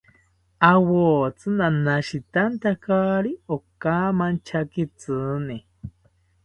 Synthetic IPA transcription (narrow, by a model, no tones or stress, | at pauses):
awoːt͡sɨnanaʃit̪ant̪akaɾiokaːmant͡ʃʰakit͡sɨni